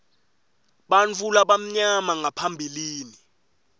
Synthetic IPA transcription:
ɓant͡fulaɓam̩ɲamaŋapʰambʱiliːni

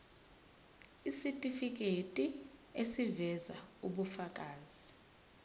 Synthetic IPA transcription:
isitʼifik̬ʼetʼiesivɛzauɓufak̬ʼaːzi

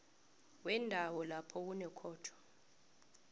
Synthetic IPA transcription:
wɛndʱawɔlapʰɔk̬unɛkʰɔːtʰɔ̥

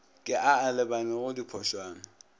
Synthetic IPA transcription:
kʼɪʔaalɪbanɛɣʊdipʰɔʃwaːnɔ

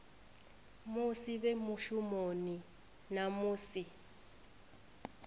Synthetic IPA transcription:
mʊsiβemuʃumoni | namuːsi

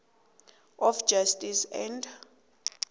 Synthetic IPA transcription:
ɔfd͡ʒastʼisɛ̰nd

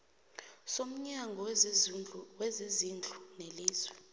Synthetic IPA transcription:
som̩ɲaŋɡʱɔw | wɛzizind͡ɮʱuneliːzwɛ

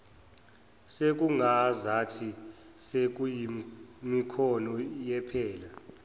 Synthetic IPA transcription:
sek̬uŋazatʰisek̬ujimikʰɔnɔjɛpʰɛːla

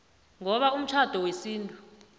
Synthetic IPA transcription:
ŋɔɓaum̩t͡ʃʰad̥ʱɔwesiːntʼu

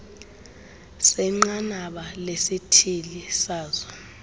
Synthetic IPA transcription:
sɛŋ͡ǃanaɓalesitʰilisaːzɔ

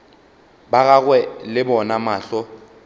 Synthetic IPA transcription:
bak̬ak̬wɛlɪbɔnamaːɬɔ

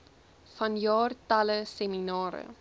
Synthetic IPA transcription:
fɐnjɑːrtɐləseminɑːɾə̰

